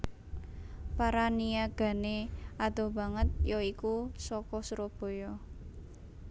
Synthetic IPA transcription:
paɾanijaɡ̥a̤neʔad̪̥a̤bä̤ŋət̪̚jɔikusɔkɔsɾɔb̥o̤jɔ

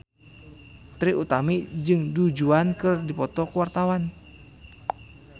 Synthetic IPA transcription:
t̪ɾiʔut̪amid͡ʒɨŋdud͡ʒuankɨrdipɔt̪ɔkəwart̪awan

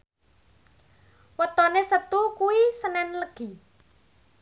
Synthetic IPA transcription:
wət̪ɔnesət̪ukuwisənɛnləɡ̥i̤

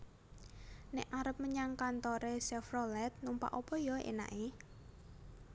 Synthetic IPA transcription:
nɛʔaɾəp̚məɲaŋkant̪ɔɾesɛfrɔlɛt̪̚numpa̰ʔopɔjɔḛna̰ʔe

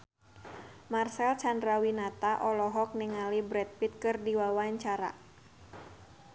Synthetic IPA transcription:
marsɛlt͡ʃandɾawinat̪aʔɔlɔɦɔk̚niŋalibɾɛt̪̚pit̪̚kɨrdiwawaɲt͡ʃaɾa̰

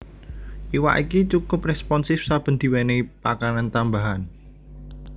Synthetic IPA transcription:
ʔiwa̰ʔikit͡ʃukʊprɛspɔnsɪfsab̥ə̤nd̪̥i̤wɛnepakanant̪ambaɦan

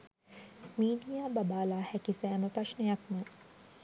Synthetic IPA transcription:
miːɖijaːbɐbaːlaːhɛkisæːməprɐʂnejɐkmə

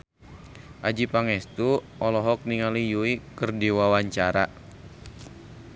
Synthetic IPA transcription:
ʔad͡ʒipaŋɛst̪uʔɔlɔɦɔk̚niŋalijuikərdiwawaɲt͡ʃaɾa

